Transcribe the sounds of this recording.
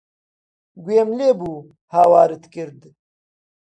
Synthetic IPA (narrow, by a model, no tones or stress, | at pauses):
ɡweːmleːbuː | haːwaːɾɨt̪kɨɾd̪